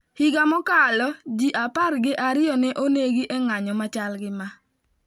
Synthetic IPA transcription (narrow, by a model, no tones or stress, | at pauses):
hiɡamɔkalɔd͡ʒiʔapaɾɡɪʔaɾɪjɔnɛʔoneɡiʔɛŋaɲɔmat͡ʃalɡɪma